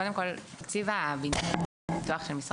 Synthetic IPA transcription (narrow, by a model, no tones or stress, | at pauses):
od̪emkolt̪akt͡sivabin | bit̪uaχʃelmisʁ